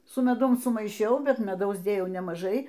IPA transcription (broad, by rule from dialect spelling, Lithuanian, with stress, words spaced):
sʊ mʲɛˈdʊm sʊmɐɪˈʃʲɛʊ ˈbʲɛt mʲɛˈdɐʊs ˈdʲeːjɛʊ nʲɛmɐˈʒɐɪ